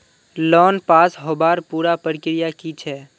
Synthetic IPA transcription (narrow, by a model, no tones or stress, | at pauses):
lɔːnpaːsɦoːbaːɾpuːɾapəɾɪkɾɪjakit͡ʃʰɛː